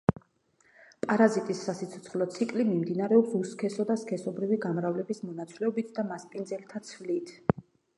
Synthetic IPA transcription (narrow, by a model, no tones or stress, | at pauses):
pʼaɾazit̪ʼisːasit̪sʰɔ̥t̪sʰχlˠɔt̪sʰikʼlimimd̪inaɾɛɔpsuskʰɛsɔd̪askʰɛsɔbɾiviɡamɾavlɛbismɔnat̪sʼlɛɔbit̪ʰd̪amaspʼindzɛlt̪ʰat̪sʰvlit̪ʰ